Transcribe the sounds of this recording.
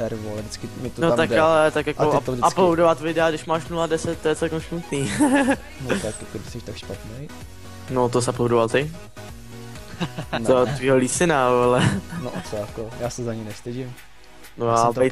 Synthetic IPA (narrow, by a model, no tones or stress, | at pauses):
ɛɾvoldɪt͡skɪmɪt̪onot̪akalɛt̪akjakodɪaplowdovat̪vɪdɛaɡdɪʃmaːʃnuladɛsɛt̪̚ːojɛt͡sɛlkɛmsmut̪niː | not̪akakodɪsɛʃt̪akʃpat̪nej | not̪osaplowdovalt̪ɪ | dot̪viːɦoliːsɪnaoalɛnoʔt͡sojakojaːsɛzaɲɛjnɛfst̪ɪʒɪm | nojabt̪ɛj